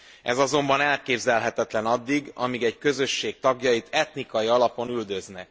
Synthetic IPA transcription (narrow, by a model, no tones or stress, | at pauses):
ɛ̰zɒzo̞mbɒnɛlkeːbzɛlɦɛt̪ɛt̪lɛnɒd̪ːiɡɒmiɡɛɟkø̞zø̞ʃːeːk̚t̪ɒɡjɒjit̪ʰɛt̪nikɒjiɒlɒpo̞nyld̪ø̞znɛ